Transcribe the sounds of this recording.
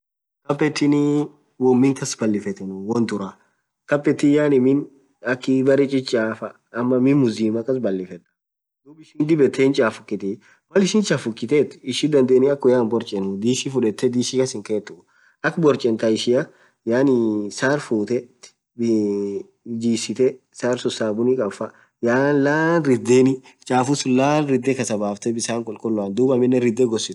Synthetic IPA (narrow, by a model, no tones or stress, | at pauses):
kɐpʼːɛt̪ːɪnɪ | wɔmːɪŋkɐsbɐlːɪfɛt̪ɛnʊwɔnd̪ʊɾa | kɐpːɛt̪ːɪjaːnɪmɪn | ɐkːɪbɐɾɪt͡ʃʼɪt͡ʃʼːaːfɐ | ɐmːɐmɪnmʊziːmɐkːɐs̬bɐlːɪfɛt̪ʼːɐ̥ | d̪ʊbɪʃɪnd̪ɪbɛt̪ʰːent͡ʃʼaːfʊkʼːɪt̪ɛ | mɐlɪʃɪnt͡ʃʼafʊkʼːɪt̪et̪ɪʃɪd̪ɐnd̪eːnɪɐkːʊjaːnbɔɾt͡ʃʼɛnʊd̪iːʃifʊᶑɛt̪ːɛd̪iːʃɪkɐsɪŋkeːt̪ːʊ | ʔɐkːbɔɾt͡ʃʼɛnt̪aɪʃɪjɐ | jaːnɪsaːɾfuːt̪ɛ | b | d͡ʒiːsɪt̪ɛ | saːɾsɔsaːbʊnikʼɐfɐ | jaːnlaːnɾɪd̪ːeːnɪ | t͡ʃʼaːfʊsʊlaːnɾɪd̪ːɛkɐsɐbaːft̪ɛbɪsaːŋkʼɔlkʼɔlːʊaːnd̪uːbɐmɪnːɛɾɪd̪ːɛɡɔsːɪt̪